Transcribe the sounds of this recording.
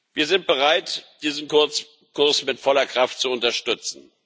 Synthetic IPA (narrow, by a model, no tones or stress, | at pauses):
viːɐzɪnt̚b̥əʁaɪtd̥iːzn̩kʰʊt͡s | kʰʊɐsmɪtfɔlɐkʁ̥aftt͡suʊntɐʃtʏt͡sn̩